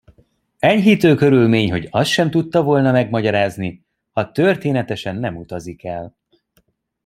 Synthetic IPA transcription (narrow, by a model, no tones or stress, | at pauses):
ɛɲɦit̪øːkø̞ɾylmeːɲɦo̞ɟɒst̪ʃɛmt̪ut̪ːɒvo̞lnɒmɛɡmɒɟɒɾaːzni | hɒt̪ørt̪eːnɛt̪ɛʃɛnːɛmut̪ɒzikɛl